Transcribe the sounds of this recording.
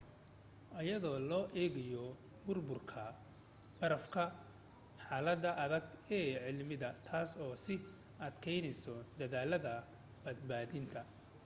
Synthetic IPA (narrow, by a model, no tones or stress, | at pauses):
ʔɐjɐðɔːlɔːʔɛːɣɐjɔ | bʊrbʊrkʰɐ | b̥ɐɾɐfkʰɐ | ħaːlɐd̪ɐʔɐðɐɡɛːʕɪlmɪðɐt̪ʰaːsɔːsɪ | ɐd̪kʰɛjnɛjsɔd̪ɐðaːlɐðɐ | b̥ɐd̪̚baːðɪnt̪ʰɐ